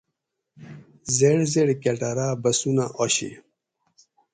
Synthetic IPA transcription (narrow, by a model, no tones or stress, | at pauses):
zeɽzeɽkeʈaɾabɐsunaʔoɕḭ